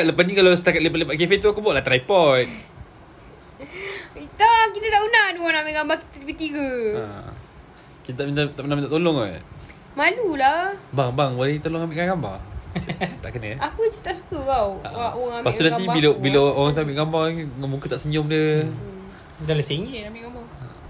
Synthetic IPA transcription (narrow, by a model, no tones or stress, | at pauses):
aat̪ləpasnikalasə̥t̪akat̪̚ləpat̪ləpat̪̚k̬efet̪uakubuaʔlaht̪ɾaipɔt̪̚ | it̪akit̪at̪aʔunaduwanamiʔɡambaki̥t̪ət̪ibit̪iɡə̰ | kit̪at̪aʔmint̪at̪aʔunaʔmint̪aʔt̪olɔŋa | malulabaŋbaŋbolet̪olɔŋambiʔkaɡamba̰ | t̪aʔkənəapəst̪aʔsu̥kəɡaw̰aʔoaŋampassuʔnanibilabilaʔoɣaŋt̪uambiʔɡambamukət̪aʔsəɲʊmdiə | dalaseɲinambiʔɡamba | a̰